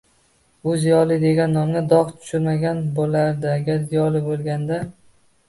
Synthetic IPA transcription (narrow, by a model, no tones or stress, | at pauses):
ʊzijɒlˠɪd̪e̞ɡʲanːɒmnad̪ɒʁt̪ʰʊ̥ʃʊɾmaɡʲanbolaɾd̪ɪaɡʲaɾzijɒlɪbolˠɡʲand̪a